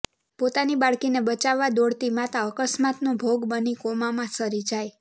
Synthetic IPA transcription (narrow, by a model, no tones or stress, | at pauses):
pot̪anibaɭkinebət͡ʃaʋːad̪oɽt̪imãt̪aəkəsmat̪nũbʱoɡbənikomãmãsəɾid͡ʒaj